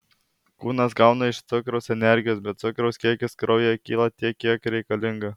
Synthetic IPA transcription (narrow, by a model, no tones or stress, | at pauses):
kuːnɐsɡɑʊnɐɪʃt̪sʲʊkɾoʊsɛnʲɛɾʲɡʲɪjoːsbʲɛt̪tsʊkɾoʊskʲiɛkʲʊskɾʔɐʊjɛkʲiːlˠɐt̪ʲiɛkʲːiɛkɾʲɛɪkɐlʲɪŋɡɐ